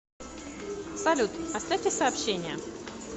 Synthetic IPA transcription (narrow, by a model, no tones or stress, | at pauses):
sɐlʲut̪ɐsʲt̪atʲɪsɐːpɕːenʲɪjə